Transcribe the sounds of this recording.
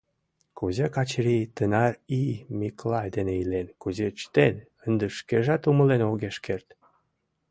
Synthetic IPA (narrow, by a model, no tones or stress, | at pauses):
kuzekɑt͡ɕɾit̪ənɑrimiklɑjd̪eneilenkuzet͡ɕt̪en | ənd̪əʃkeʒɑt̪uməlenoɣeʃkert̪